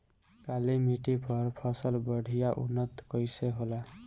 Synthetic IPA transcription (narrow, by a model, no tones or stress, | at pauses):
kalimiʈipʌɾpʰəsəlbəɽʱijaʔṵnːət̪kəjseɦola